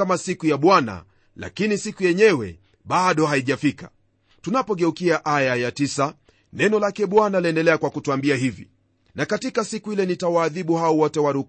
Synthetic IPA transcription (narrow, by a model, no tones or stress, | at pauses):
amasikujaɓwana̰ | la̰kinisikujɛɲɛwɛ̰ | ɓaɗɔɦaiʄafika | tunapɔɠɛukiaʔajajatisa | nɛnɔlakɛɓwanaliɛndɛlɛakwakutuambiaɦivḭ | nakatikasikuilɛnitawaːðiɓuhaɔwɔtɛwaɾuk